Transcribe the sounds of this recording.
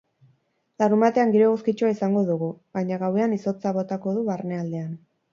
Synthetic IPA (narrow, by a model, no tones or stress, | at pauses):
larɾumbat̪e̞aŋɡiɾe̞ɣuskit͡ʃuaisaŋɡo̞ðuɣ̞uβajɲaɣawe̞aniso̞t͡saβo̞t̪ako̞ðuβarne̞ald̪e̞an